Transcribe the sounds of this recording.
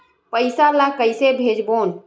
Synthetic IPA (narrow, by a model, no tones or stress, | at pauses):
pəɪsalakəɪsebʱed͡ʒbon